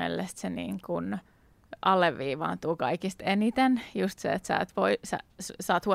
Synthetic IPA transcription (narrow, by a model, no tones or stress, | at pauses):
ḛlːest̪senḭːŋkun | ʔɑlːeʋːiːʋɑ̰ːnt̪uːkɑikist̪enit̪enjust̪seet̪sæ̰ːt̪ʋoisæ̰ssɑːt̪huo